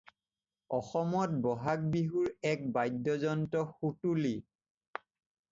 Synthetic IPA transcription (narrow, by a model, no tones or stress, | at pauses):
ɔxɔmɔt̚bɔɦak̚biɦuɹɛk̚bajdːɔzɔntɔxutuli